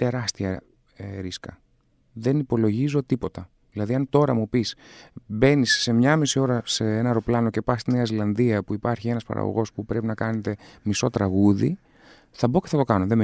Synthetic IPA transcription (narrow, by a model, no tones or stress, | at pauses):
t̪e̞ɾɐst̪iɐ | eɾiskɐ | ðe̞nipo̞lo̞ʝizo̞t̪ipo̞t̪ɐ | ðilɐðiɐnt̪o̞ɾɐmupisbe̞nisːe̞mɲɐmisio̞ɾɐseenɐɾo̞plɐno̞ce̞pɐst̪ine̞ɐzilɐnðiɐpuipɐɾçie̞nɐspɐ̰ɾɐ̰ɣo̰ɣo̞spupɾe̞pinɐkɐne̞t̪e̞miso̞t̪ɾɐɣuðḭ | θɐbo̞ceθɐt̪o̞kɐno̞ðe̞m